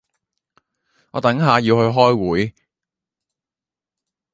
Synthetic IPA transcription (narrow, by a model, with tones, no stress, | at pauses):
ɔ̰ː˨˧t̪ɐ˨˥ŋɦaː˨˧jiː˧whɵ˧ɥɦɔː˥jwuː˨˥j